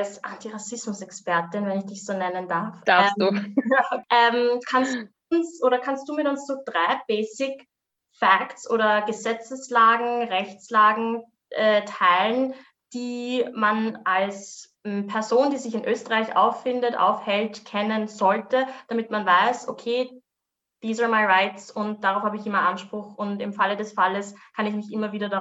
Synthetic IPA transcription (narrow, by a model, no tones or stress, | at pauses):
sʔa̰ntiʁasɪsmʊsɛkspɛɐtɪnvɛnɪçd̥ɪçz̥oːnɛnəndaɐfd̥ɛsduː | ʔɛmkʰanstu | ʊnsʔoːɾɐkʰanst̚d̥uːmɪtʊnsz̥oːd̥ʁaɪb̥eːsɪk | fɛktsʔoːɾɐɡəzɛt͡səslaːɡŋ̩ʁɛçt͡slaːɡŋ̩ | ʔɛtʰaɪlən | d̥iːmanʔals | pʰɛɐzoːndiːzɪçɪnʔøːstəʁaɪçʔa̰ʊfːɪndətʔa̰ʊfhɛltkʰɛnənzɔltəd̥amɪtmanvaɪso̰kʰeː | d̥iːsəmaɪʁaɪtsʊnt̚d̥aʁaʊfhaːbəɪçɪmɐʔanʃpʁ̥ʊxʊntɪmfalədɛsfaləskʰanɪçmɪçʔɪmɐviːdɐda